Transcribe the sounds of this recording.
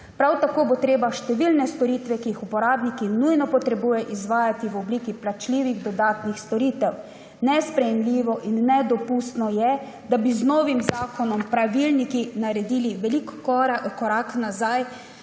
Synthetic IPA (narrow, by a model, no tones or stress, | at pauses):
pɾawt̪akoːbot̪ɾeːbaʃt̪ɛʋilnɛst̪ɔɾiːt̪ʋɛkijixupɔɾaːbnikinujnɔpɔt̪ɾɛbuːjɛʔizʋaːjat̪iʋɔbliːkiplat͡ʃliːʋiɣd̪ɔd̪aːt̪nixst̪ɔɾiːt̪ɛw | nɛspɾɛjɛmliːʋɔʔinːɛd̪ɔpust̪nɔjɛ | d̪abiznoːʋimzaːkɔnɔmpɾaʋilnikinaɾɛd̪iːliʋɛlikːɔakɔɾaknazaj